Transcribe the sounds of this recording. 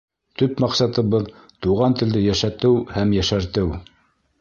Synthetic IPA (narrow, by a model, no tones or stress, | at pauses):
t̪ɵpmɑqsɑt̪ɤ̆βɤð | t̪uʁɑnt̪ɘ̆ld̪ɘjæʃæt̪ɘwhæmjæʃæɾt̪ɘw